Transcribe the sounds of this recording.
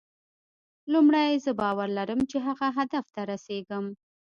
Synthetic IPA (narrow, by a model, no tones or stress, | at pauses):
lumɽajzəbɑwaɾlaɾəmt͡ʃeɦaɣaɦad̪aft̪aɾaseɡəm